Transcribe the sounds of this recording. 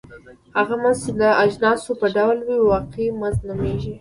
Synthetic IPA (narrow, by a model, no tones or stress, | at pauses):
haɣamanzt͡ʃed̪əad͡ʒnɑsopəɖawlwiwɑqemanznumeʒi